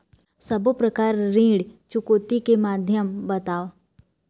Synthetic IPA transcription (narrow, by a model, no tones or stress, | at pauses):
sɐbopɾəkaːɾːĩːɽt͡ʃʊkoːt̪ikemaːd̪ʱjəmbɐt̪aːo